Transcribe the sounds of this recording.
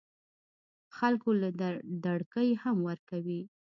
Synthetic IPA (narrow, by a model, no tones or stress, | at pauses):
xalkolad̪aɽkəjhamwəɾkawi